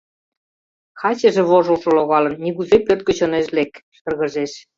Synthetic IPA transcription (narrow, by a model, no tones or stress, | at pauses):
xɑt͡ɕĕʒĕβoʒŏlʃŏloɣɑlɤ̆nniɣuzepørt̪̚kə̆t͡ɕoneʃlekʃɤ̆rɣə̆ʒeʃ